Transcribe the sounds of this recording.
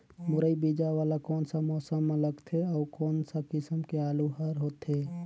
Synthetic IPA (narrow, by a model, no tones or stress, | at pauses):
muɾəibid͡ʒaʋaːlakɔːnsamɔːsəmːeləɡt̪ʰeɔːkɔːnsakɪsəmkeaːluɦəɾɦot̪ɦe